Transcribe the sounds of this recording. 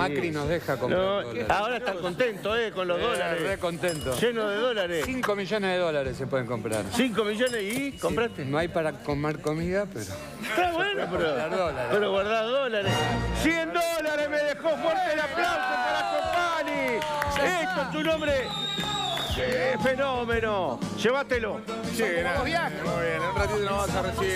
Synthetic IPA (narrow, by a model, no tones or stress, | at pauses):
makɾinozðexakomnoaoɾaet̪akont̪ent̪oekonloɦðolaerekont̪ent̪oʒenoðeðolaɾesiŋkomiʒoneɦðeðolaɾesepweðeŋko̞mpɾa̰ɾsiŋkomiʒonesikompɾat̪enoajpaɾakomeɾkomiðapḛɾo | t̪aβwenopeɾoaɾðolaɾepeɾoɣwaɾðaɾðolaɾessiend̪olaɾehmeðexofweɾt̪elaplawsapaɾakompani | ek̪ont̪̬unõmbɾe | efenomenoʃeβat̪elo | simoβjaxoenelrat̪it̪onoβasaresi